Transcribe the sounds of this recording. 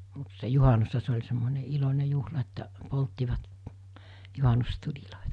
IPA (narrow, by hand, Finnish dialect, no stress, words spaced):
mut se juhɑnushɑ se olʲ semːone ilonʲe juhlɑ etːæʔ poltːiʋɑt juhɑnustulʲiloˑitɑ